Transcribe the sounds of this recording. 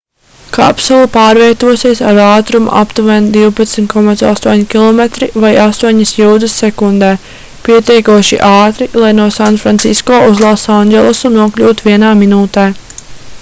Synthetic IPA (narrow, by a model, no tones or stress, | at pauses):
ka̰psulˠupaːɾviɛt̪uɔsiɛsaɾaːt̪ɾumṵʔa̰pt̪uvɛːnd̪iwpɐt̪smʲt̪kɔmat̪sa̰st̪uɔɲikʲilˠɔmet̪ɾivajast̪uɔɲɐsjuːd̪ɨsːɛkund̪ɛː | piɛt̪ɛjkuɔʃḭʔaːt̪ɾilˠajnuɔsanfɾant̪siskɔːʔuzlˠosanɟʲɛlˠusunuɔklʲuːt̪viɛnaːminuːt̪eː